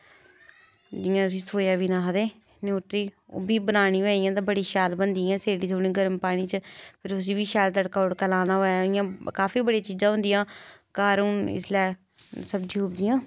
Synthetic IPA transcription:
d͡ʒijãːʊs̬ĩːsoːjaːʋiːnãːɦəd̪eː | noːt̪ɾiːo̰ːbiːbənaːnĩːʋɛːijãːt̪ãːbəɽiːʃaːlbənd̪iːãːseːɽiːt̪ʰoːɽ̃ĩːɡəɾəmpaːɽ̃ĩːt͡ʃəpʰɪɾʊs̬iːbiːʃaːlt̪̬əɽkaːʊɽkəlaːnaːɦoːjaːɪjãːkaːfʰiːbəɽijãːt͡ʃiːzãːɦʊ̃nd̪ɪjãːkaːɾuːnɪ̰slɛː | səbd͡ʒĩːʊpd̪ɪjãː

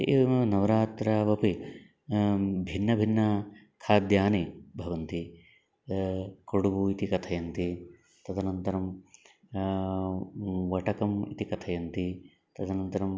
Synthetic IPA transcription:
nɐʋɾaːt̪ɾaʋɐpi | bʱinːɐbʱinːɐ | kʰaːd̪jaːnibʱɐʋɐnt̪i | koɽubuit̪ikɐt̪ʰɐjɐnt̪i | t̪ɐt̪ɐnɐnt̪ɐɾɐm | ʋɐʈɐkɐmḭt̪ikɐt̪ʰɐjɐnt̪i | t̪ɐt̪ɐnɐnt̪ɐɾɐm

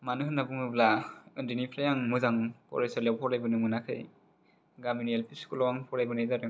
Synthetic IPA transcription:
manɯɦɯnabɯmɯblaɯndinipʰɾajaŋmɯzaŋpʰɔ̰ɾajsɔlewpʰɔɾajbɯnɯmɯnakʰɯj | ɡaminielpʰiskʰulɔwaŋpʰɔɾajbɯnajzaɾɯ

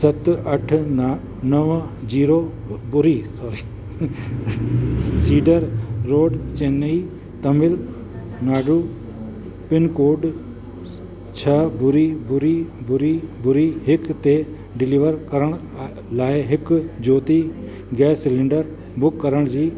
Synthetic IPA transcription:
sɐt̪ɐʈʰ | nɐʋ | d͡ʑiːɾoː | bʊɾiːsɔːɾiː | siːɖəɾːoːɖt͡ɕeːni | t̪ɐmɪl | naːɖuː | pɪnkoːɖ | t͡ʃʰɐbʊɾibʊɾibʊɾibʊɾiɦɪkt̪e | ɖɪliːʋəɾkɐɾəɽ̃ | laːɪɦɪkd͡ʑoːt̪i | ɡɛːsːɪlɪ̃ɳɖəɾ | bʊkːɐɾəɽ̃d͡ʑiː

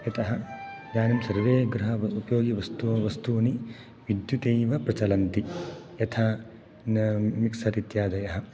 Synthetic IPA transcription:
jɐt̪ɐɦɐ̆d͡ʒaːnɐmsɐɾɐɾeːɡɾɐɦɐʋɐupɐjoːɡiʋɐst̪uʋɐst̪uʋɐni | ʋid̪jut̪eːʋɐpɾɐt͡ʃɐlɐnt̪ijɐt̪ʰaː | nmiksɐɾit̪jaːd̪ɐjɐɦɐ̆

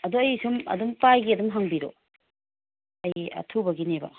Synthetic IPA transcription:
ɐduɐjsumɐ̰dumpajɡiɐdumɦɐŋbiɾo̰ | ɐjɐ̰tʰubɐɡinebɐ̰

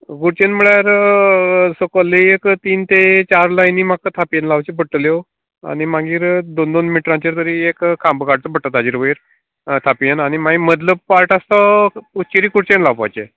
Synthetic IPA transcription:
ɡuɽt͡ɕenməɭjaɾ | sokəlːiekt̪iːnt̪et͡ɕaɾlajniːmakːət̪ʰapiənlaʋt͡ɕipəʈːəljo | a̰nimaɡiːɾd̪ond̪onmiʈɾãt͡ɕiɾt̪əɾiːekkʰːãmbəkaɽt͡səpəʈːat̪ad͡ʑiɾʋəiɾ | t̪ʰapienañimaimət̪̬ləb̚paɾʈast̪aut͡ɕiɾiːkuɽt͡ɕenlaʋpa̰jt͡ɕḛ

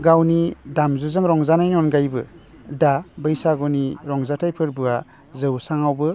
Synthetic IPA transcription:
ɡawnidamzuzɯŋɾɔŋzanajnɔnɡajbɯ | dabɯjsaɡɔniɾɔŋzatʰajpʰɯɾbɯa | zɯwsaŋawbɯ

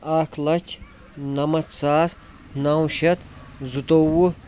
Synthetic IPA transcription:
aːkʰlɐt͡ʃʰ | nɐmɐt̪saːs | naːwʃɐt̪zut̪owu

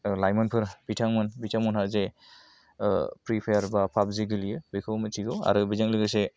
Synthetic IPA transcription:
lajmɯnpʰɯɾb̥itʰaŋmɯnbitʰaŋmunhɦaɾze | pɾipʰajaɾbapʰap̚ziɡɯlijɯbikʰɯwmɯtʰiɡɔa̰ɾɯbizaŋliɡɯse

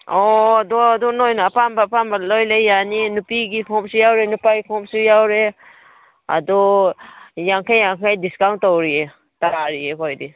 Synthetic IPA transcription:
ɔdɔdɔnɔjnapambapambalɔjlajjaninupiɡikʰɔmsujawɾenupajkʰɔmsujawɾe | a̰dɔ | jaŋkʰajːaŋkʰajdiskawntːɔwɾie | taɾaɾiekʰɔjdi

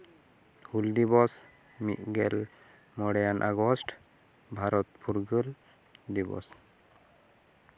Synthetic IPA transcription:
huld̪ibɔs | mḭt̪̚ˀɡɛl | mɔɽɛjanʔaɡɔsʈ | bʱaɾɔt̪̚pʰuɾɡəl | d̪ibɔ̰s

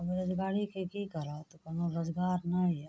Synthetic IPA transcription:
ɐbɾɐd͡ʒɡaːɽikekikɐɾat̪okɐnoɾod͡ʒɡaːɾnai

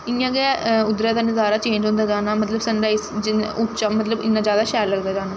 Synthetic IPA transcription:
ɪːãːɡɛːʊd̪ɾɛ̃ːd̪aːnɪzaːɾaːt͡ʃẽːɲd͡ʒõːnd̪aːd͡ʒaːnaːmət̪ləbsənɖaːɪsɪʊt͡ʃaːmət̪ləbɪ̰nːãːzjaːd̪aːʃɛːlːəɡd̪aːd͡ʒaːnaː

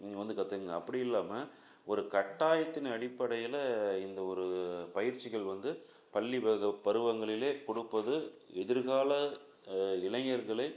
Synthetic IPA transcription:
ŋɡɐʋɐnd̪ɯkɐt̪ːɐɯŋɡɐːpːɐɽɪɪlːaːmɐ | ɔɾɯkɐʈːaːjɐt̪ːɪnɐɽɪpːɐɽɐjɪlɐɪnd̪ɐɔɾɯpɐjɪɾt͡ʃːɪɣɐɭʋɐnd̪ɯ | pɐɭːibɐɣɐpːɐɾɯʋɐŋɡɐɭɪleːkɔɽɯpːɐðɯɛðɪɾɣaːlɐ | ɪlɐŋɐɾɣɐɭɐɪ

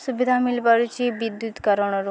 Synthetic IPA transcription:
subid̪ʱamilpaɾut͡ʃʰibid̪jut̪kəɾɔɽ̃ɔɾu

